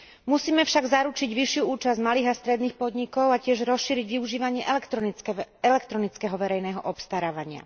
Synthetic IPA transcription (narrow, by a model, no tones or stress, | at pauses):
musiːmɛfʃaɡzaɾut͡ʃiɟʋiʃɪuuːt͡ʃazɟmaliːɣast̪ɾɛd̪niːxpɔd̪ɲikɔʊacɪɛʒɾɔsʃiːɾiɟʋiuʒiːʋaɲɪɛʔ | ɛlɛkt̪ɾɔnit͡skɛɦɔʋɛɾɛjnɛːɦɔ̰ʔɔpst̪aɾaːʋaɲɪa̰